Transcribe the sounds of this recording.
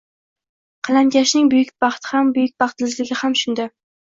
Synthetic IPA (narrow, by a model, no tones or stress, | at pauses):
qʰɑlˠamkʲaʃnɪŋbʊjɪk̚ʲb̥ɑχt̪ʰɪ̥hambʊjɪk̚ʲbɑχt̪lɪzlɪɡʲɪhamʃʊnd̪a